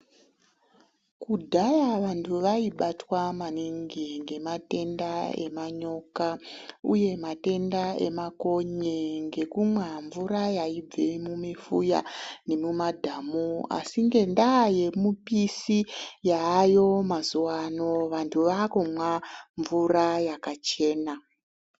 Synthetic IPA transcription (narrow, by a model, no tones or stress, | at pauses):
kudʱajaʋantʰuʋaiɓatwamaniŋɡiŋɡe̞mate̞ndae̞̰maɲo̞kaṵje̞mate̞ndae̞̰mako̞ɲeŋɡe̞kumwaɱvuɾajaib͡vemumifuja̰ne̞mumadʱaːmua̰siŋɡe̞ndaje̞mupisijaːjo̞mazuwano̞ʋantʰuʋakumwaɱvurajakat͡ʃe̞ːna